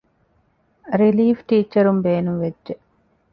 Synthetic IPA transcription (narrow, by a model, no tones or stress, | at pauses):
ɾiliːfʈiːt͡ʃɐɾumbeːnuʋed͡ʒʒe